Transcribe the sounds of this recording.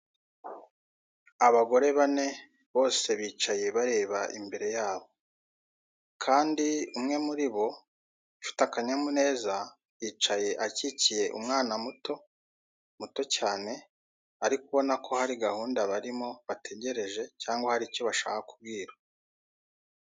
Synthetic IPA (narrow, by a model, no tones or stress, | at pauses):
aβaɡo̞ɾe̞βane̞ | βo̞ːse̞βiːt͡ʃaje̞βaɾe̞ːβaʔḭmbe̞ɾe̞jaːβo̞ | kʰaːndiumŋe̞muɾiβo̞ | t͡ʃu̥takaɲamune̞ːza | iːt͡ʃaje̞ʔacicije̞ʔumŋaːnamuto̞ | muto̞caːne̞ | aɾikuβo̞nakʰo̞haɾiɡahuːndaβaɾimo̞βatʰe̞ɟe̞ɾe̞ʒe̞caːŋɡwahaɾiːco̞βaʃa̰ːhakub̚ɡiːɾḁ